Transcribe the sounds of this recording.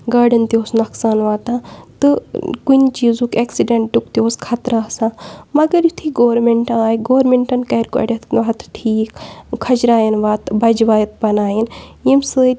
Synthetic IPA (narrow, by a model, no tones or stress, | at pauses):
ɡaːɖɐnt̪ioːsnɐksaːnʋaːt̪ãːt̪ɨkunt͡ʃiːzũkeːksiɖeɳʈɖukt̪ioːskʰat̪ɾasãːmɐɡɐɾjut̪ʰiːɡoːɾmeɳʈɐaːjiɡoːɾmeɳʈɐnkɐɾkɐ̰ːɽʲɐt̪ʰʋaːt̪ʈʰiːkkʰɐd͡ʒɾaːjinʋaːt̪bɐd͡ʒʋaːjɐt̪̚bɐnaːjinjimsɨː